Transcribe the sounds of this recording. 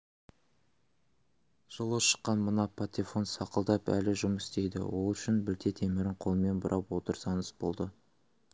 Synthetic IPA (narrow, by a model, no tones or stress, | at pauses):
ʒ̥əlˠəʃə̥qːɑnmənɑpʰat̪ʲefo̞nsɑqəlˠd̪ɑpæ̰lɪʒʊməst̪e̞jd̪ɪ̰wo̞lˠʏʃɪnbɪlt̪ʰet̪ʰe̞mɪɾɪɴqʰo̞lˠəme̞nbʊɾʔɑpwo̞t̪əɾsɑnəsb̥o̞̰lˠd̪ə